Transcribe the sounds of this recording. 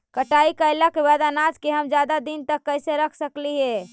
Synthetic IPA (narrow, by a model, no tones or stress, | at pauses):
kəʈaikəɪlakebad̪anad͡ʒkeɦəmd͡ʒjad̪ad̪int̪əkːəɪseɾəkʰsəkliɦe